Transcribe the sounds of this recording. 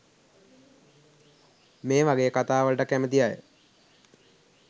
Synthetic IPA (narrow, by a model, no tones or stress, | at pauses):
meːʋaɡejəkat̪aːʋəlʈəkæmət̪ijajə